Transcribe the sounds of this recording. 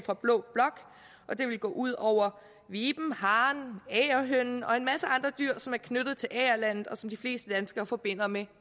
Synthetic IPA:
fʁɑ̈b̥lɔ̰̽ːb̥lɒ̽ɡ̥ | ʔɒ̽d̥e̝ʋe̝lɡ̥ɔ̰ːʔuð̞̰ˠɒʊ̰ɐ | ʋiːb̥m̩hɑ̈ːnɛːɐɦøn̰n̩ɒ̽e̝nmæsəɑ̈nd̥ʁɐd̥yɐ̰sɒ̽mæɐkʰnød̥ð̞̩ˠt͡sʰe̝lʔɛːɐlæn̰ð̩ˠɒ̽sɒ̽md̥ifle̝̰ːsd̥əd̥ænsɡ̥ɐːfɒ̽b̥e̝n̰ɐme

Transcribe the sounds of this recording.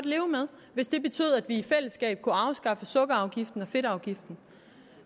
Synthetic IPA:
d̥le̝ːʊmeð̞ˠ | ʋe̝sd̥e̝b̥e̝t͡sʰy̰ːð̩ˠæd̥ʋiifel̰əsɡ̥ɛ̰ːb̥̚kʰuɑ̈ʊsɡ̥ɑ̈fəsɔ̽ɡ̥əɑ̈ʊɡ̥ifd̥n̩ɒ̽fe̝ɾɑ̈ʊɡ̥ifd̥n̩

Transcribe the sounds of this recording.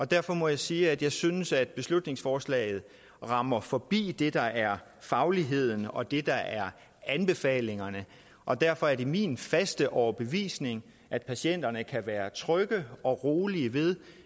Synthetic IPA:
ɒ̽d̥æɐ̰fɒ̽mɒ̽jɑ̈ɪsiːæd̥jɑ̈ɪsynəsæd̥̚b̥e̝slud̥ne̝ŋsfɒːslɛ̰ɪð̞̩ˠ | ʁɑ̈mɐfɒ̽b̥ḭːd̥e̝d̥ɑ̈ʔæɐ | fɑ̈ʊliɦe̝ð̞̰ˠn̩ɒ̽d̥e̝d̥ɑ̈æɐ | ænb̥e̝fɛ̰ːle̝ŋɐnə | ʔɒ̽d̥æɐfɒ̽æɐde̝mḭːnfæsd̥əʔɒʊɐb̥e̝ʋḭːsne̝ŋ | ʔæd̥̚pʰæsen̰d̥ɐnəkʰæʋæːɐt͡sʰʁœɡ̥əɒ̽ʁo̝ːliəʋe̝ð̞ˠ

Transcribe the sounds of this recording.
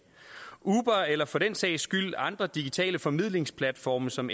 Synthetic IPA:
uːb̥ɐelɐfɒ̽d̥en̰sɛ̰ɪsɡ̥yl̰ɑ̈nd̥ʁɐd̥iɡ̥it͡sʰɛ̰ːləfɒ̽mið̰ˠle̝ŋspʰlæd̥fɒːmɐsɒ̽m

